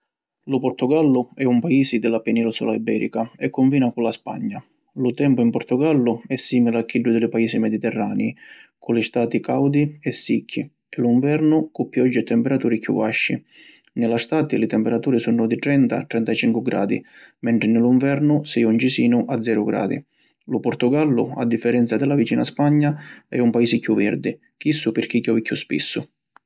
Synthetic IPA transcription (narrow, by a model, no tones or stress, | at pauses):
lʊpɔɾt̪ʊɡalːʊɛumpaiːsid̪ɪlapɛnilusṵlaibɛːɾḭkaɛkːʊɱviːnakʊlaspa̰ɲːa | lʊt̪ɛmpʊimpɔɾt̪ʊɡalːʊɛsːiːmilakːiɖːʊd̪ɪlɪpaiːsimɛd̪it̪ɛrːaːnɛikʰʊlɪst̪aːt̪ikawd̪iɛsːicʰːi | ɛluiɱvɛɾnʊkupːjɔd͡ʒːɪt̪ːɛmpɛɾat̪uːɾikjṵvaʃːi | nɪlast̪aːt̪ilɪt̪ɛmpɛɾat̪uːɾisunʊd̪ɪʈ̪ɾɛnt̪a̰t̪ɾɛnt̪at͡ʃiŋkwɪɡɾa̰ːd̪ḭ | mɛɳʈ̪ɾɪnɪluɱvɛɾnʊsɛunt͡ʃisiːnʊʔad̪zɛːɾʊɡɾa̰ːd̪ḭ | lʊpʊɾt̪ʊɡalːʊ̰a̰d̪ːifːɛɾɛnt̪sad̪ɪlavit͡ʃiːna̰spaɲːaɛ̰umpaiːsɪkjuvːɛɾd̪i | kisːʊpɪɾk̟ikjɔvikːuspḭsːʊ